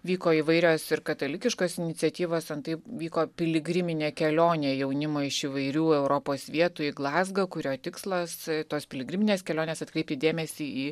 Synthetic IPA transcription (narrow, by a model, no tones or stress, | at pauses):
ʋʲiːkoːɪʋɐɪɾʲoːsɪɾkɐt̪ɐlʲɪkʲɪʃkoːsɪnʲɪtt͡s̪ʲɛt̪ʲiːʋoːsɐnt̪ɐɪʋʲiːkoːpʲɪlʲɪɡɾʲɪmʲɪnʲeːkʲɛlʲoːnʲeːjɛʊnʲɪmoːɪʃiʋɐɪɾʲuːɛʊɾoːpoːsʋʲiɛt̪uɪɡlˠɑːzɡɐkʊɾʲoːt̪ʲɪkslˠɐst̪oːspʲɪlʲɪɡɾʲɪmʲɪnʲeːskʲɛlʲoːnʲeːsɐt̪̚kɾʲɛɪp̚ʲt̪ʲɪd̪ʲeːmʲɛsʲiːiː